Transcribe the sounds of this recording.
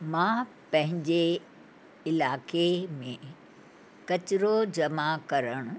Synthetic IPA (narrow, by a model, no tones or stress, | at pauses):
mãː | pɐ̃ɦɪ̃ɲd͡ʑe | ɪlaːkemẽ | kɐt͡ɕɪɾod͡ʑɐmakɐɾəɽ̃ʊ